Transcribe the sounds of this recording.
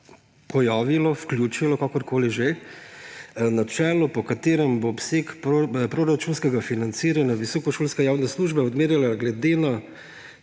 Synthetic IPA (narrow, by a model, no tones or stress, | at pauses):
pɔjaːʋilɔfklʲjuːt͡ʃilɔkaːkɔɾkoːliʒe | nat͡ʃɛːlɔpɔkat̪eːɾɛmbopseːkppɾoɾat͡ʃuːnskɛɡafinant̪siːɾanʲjaʋisɔːkɔʃoːlskajaːwnɛsluʒbɛɔd̪meːɾjalaɡlɛd̪ena